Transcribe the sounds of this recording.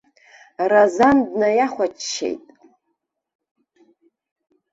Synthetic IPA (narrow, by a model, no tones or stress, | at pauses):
razandnajaχʷat͡ʃʃḛjtʼ